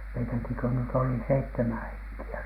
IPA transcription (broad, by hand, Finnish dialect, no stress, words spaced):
meitæki kø nyt oli seitːemæn heŋkiæ